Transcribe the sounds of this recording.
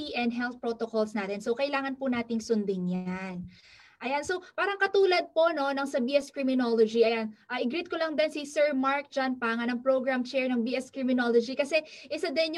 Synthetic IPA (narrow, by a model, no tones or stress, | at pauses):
iʔɛnd̪̚ɦɛlt̪̚pɹot̪okolsnaːt̪ɛnsowkɐʔɪlaːŋɐnpʊnaːt̪ɪŋsʊnd̪ɪŋjan | ʔɐjansowpaːɾɐŋkɐt̪uːlɐd̪̚po̞ʔno̞nɐŋsɐbiːʔɛskɹɪmɪnolod͡ʒiʔɐjanʔɐʔɪɡɾit̪̚kolɐŋd̪ɛnsisɛɹmaɹk̚d͡ʒanpaːŋɐnɐŋpɾoɡɹamt͡ʃɛɹnɐŋbiʔɛskɹɪmɪnoːlod͡ʒikɐsɛʔɪsɐd̪ɛn